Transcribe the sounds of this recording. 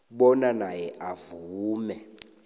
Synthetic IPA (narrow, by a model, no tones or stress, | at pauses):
ɓɔnanajɛʔavuːmɛ